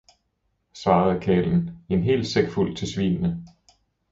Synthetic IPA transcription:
sʋɑ̈ːð̩ˠkʰɛ̰ːln̩e̝nɦe̝̰ːl̥seɡ̥ful̰t͡sʰe̝sʋḭːnnə

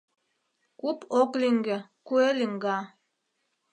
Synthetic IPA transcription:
kupokliŋɡəkueliŋɡa

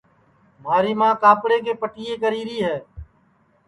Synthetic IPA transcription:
maːɾiːmãːkaːpɽeːk̬eːpəʈiːeːkəɾiːɾiːɦɛː

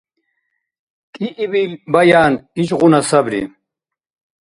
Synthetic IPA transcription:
kʼiʔːbilbɐjaːniʃʁunɐsɐbɾḭ

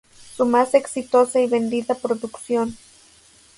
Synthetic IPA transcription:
sumaseksit̪osaiβend̪iðapɾoðuksjon

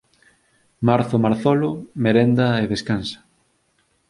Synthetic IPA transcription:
maɾθʊmaɾθɔlʊmeɾend̪ɐeðeskansɐ̥

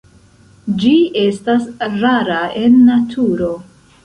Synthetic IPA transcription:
d͡ʒie̞stasɾaɾae̞nːatʰuɾo̞

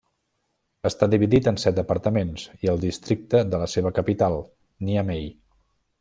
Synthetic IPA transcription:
əst̪aðiβiðit̪ənsɛt̪̚d̪əpəɾt̪əmenziəlˠd̪ist̪ɾik̚t̪əðələseβəkəpit̪alˠ | niəmej

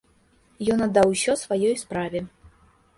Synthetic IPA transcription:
jɔnɐd̪ːawsʲɔsvajɔjspɾavʲɛ

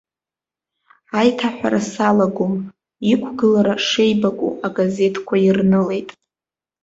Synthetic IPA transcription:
ajtʰaħʷᶣa̰ɾasalaɡʷom | ikʷʰɡɨlaɾaʂe̞jbakʷʼṵaɡaze̞tʰkʷʰairnɨle̞jtʼ

